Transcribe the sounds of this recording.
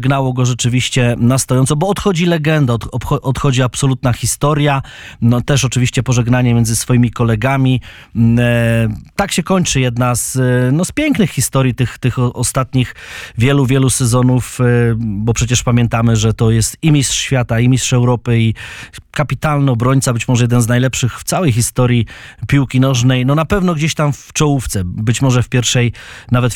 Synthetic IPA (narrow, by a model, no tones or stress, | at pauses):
ɡnawɔɡɔʐɛt͡ʂɘvʲiɕt͡ɕɛnast̪ɔjɔnt̪sɔbɔːt̪xɔd͡ʑilɛɡɛnd̪at̪ɔpʔɔt̪xɔd͡ʑiapsɔlut̪naxʲist̪ɔɾjanɔt̪ɛʂɔt͡ʂɘvʲiɕt͡ɕɛpɔʐɛɡnaɲɛmjɛnzɘsfɔjimʲikɔlɛɡamʲi | t̪akɕɛkɔɲt͡ʂɘjɛd̪naznɔspʲjɛŋknɘxxːist̪ɔɾʲjit̪ɘxt̪ɘxɔst̪at̪ɲixvʲjɛluvʲjɛlusɛzɔnuf | bɔpʂɛt͡ɕɛʂpamʲjɛ̃nt̪amɘʐɛt̪ɔjɛst̪imʲisʂɕfʲjat̪aimʲit̪ʂɛwɾɔpɘikapʲit̪alnɛɔbɾɔɲt̪sabɘt͡ɕmɔʐɛjɛd̪ɛnznajlɛpʂɘxft̪sawɛjxist̪ɔɾʲjipʲjuwkʲinɔʐnɛjnɔnapɛvnɔɡd͡ʑeɕt̪amft͡ʂɔwuft̪sɛbɘt͡ɕmɔʐɛfpʲjɛɾʂɛjnavɛt̪